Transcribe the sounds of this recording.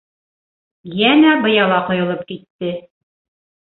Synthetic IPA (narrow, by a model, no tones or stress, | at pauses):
jænæbɤ̆jɑlˠɑqŏjɤ̆lˠɤp̚kit̪ːɘ